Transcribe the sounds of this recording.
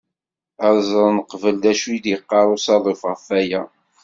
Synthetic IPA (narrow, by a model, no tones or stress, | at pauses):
əɾˤzˤəˤnəqvəld̪æʃud̪jəqːɑɾˤusɑðˤifʁəfæjæ